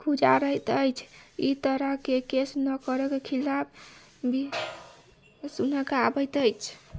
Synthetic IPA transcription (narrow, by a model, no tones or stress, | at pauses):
kʰud͡ʒa̰ɾəjt̪əjt͡ʃʰḭt̪əɾəɦkekesnəkəɾɛkekʰilapʰ | bi | sunəkabəjt̪əjt͡ʃʰ